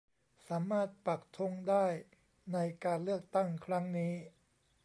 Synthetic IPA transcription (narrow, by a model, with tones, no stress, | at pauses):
saː˩˦maː˥˩t̪̚pa˨˩k̚t̪ʰo˧˥ŋdaː˥˩j | na˧jkaː˧nlɯ˥˩ək̚t̪a˥˩ŋkʰɾa˦˥ŋniː˦˥